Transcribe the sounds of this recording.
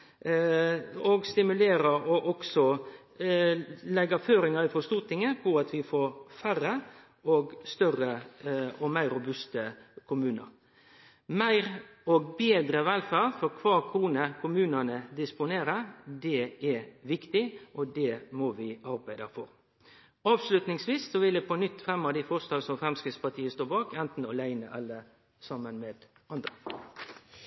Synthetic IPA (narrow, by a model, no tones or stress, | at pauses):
ɔɡst̪ɪmʉleːɾəɾɔʔɔksɔ | lɛɡːɑføːɾɪŋɑɾɪfɔst̪uːt̪ɪŋəpʰɔɑt̪ʰʋɪfoːɾfæɾːə | ɔɡst̪œrəɔmæɪɾʊbʉst̪əkʰʊmʉːnə̰ɾ | mæɪɾɔɡbeːd̪ɾəʋɛlfæɾfɔɾkʰʋɑːkʰɾuːnəkʰʊmʉːnənəd̪ɪspʊneːɾəd̪ɛɛʋɪkt̪ɪʔɔd̪ɛmɔʋɪʔɑɾbæɪd̪əfɔɾ | ɑːʋslʉt̪nɪŋsʋiːssɔʋɪld̪ɛpʰɔnʏt̪ːfɾɛmːɑd̪ɪfɔst̪ɑːlsɔmfɾɛmskɾɪt̪spɑɾt̪ʰiːəst̪oːɾbɑːkɛnt̪n̩ɔlæɪnəʔɑlːə | sɑmːənmeːd̪̥ | ɑnd̪ɾə